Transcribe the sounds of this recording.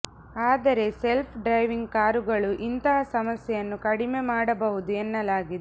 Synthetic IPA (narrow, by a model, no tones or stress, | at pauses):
aːd̪ɐɾe̞se̞lpʰɖɾɐjʋiŋɡkaːɾuɡɐɭuʔint̪ɐɦɐsɐmɐsjɛjɐnːukɐɽime̞maːɽɐbɐɦud̪uenːɐlaːɡid̪e